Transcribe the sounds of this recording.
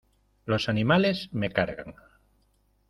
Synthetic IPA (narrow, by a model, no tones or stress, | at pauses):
lo̞sanimale̞zmekaɾɣa̰ŋ